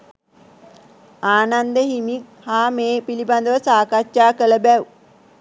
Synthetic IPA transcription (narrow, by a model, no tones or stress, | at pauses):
aːnand̪əɦimik̚ | haːmeːpiliband̪əʋəsaːkatjaːkələbæw